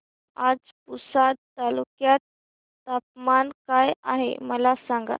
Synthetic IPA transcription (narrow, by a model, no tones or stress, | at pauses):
ad͡z | pusad̪̚t̪ːalukjat̪ː | ap̚mankajaɦḛməlasãŋɡa̰